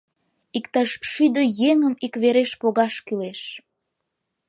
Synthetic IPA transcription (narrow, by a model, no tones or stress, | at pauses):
ikt̪ɑʃʃyd̪əjeŋəmikβeɾeʃpoɣɑʃkyleʃ